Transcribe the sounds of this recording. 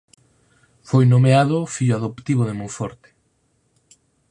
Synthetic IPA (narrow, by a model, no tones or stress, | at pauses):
fojnomeaðofiʎʊaðopt̪iβoðemujfɔɾt̪ɪ̥